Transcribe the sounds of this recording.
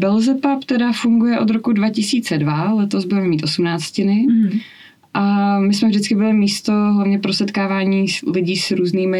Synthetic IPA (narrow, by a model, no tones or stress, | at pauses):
bɛlzɛpapt̪ɛdafuŋɡujɛʔo̞d̪ɾo̞kudvacɪsiːt͡sɛdvalɛt̪ozbuvɛmɛmiːt̪ʔo̞sumnaːt͡scɪnɪ | ʔamɪsmɛvdɪt͡skɪbɪlɪmiːst̪o̞ɦlavɲɛpɾosɛt̪kaːvaːɲiːlɪɟiːsɾuːzniːmɪ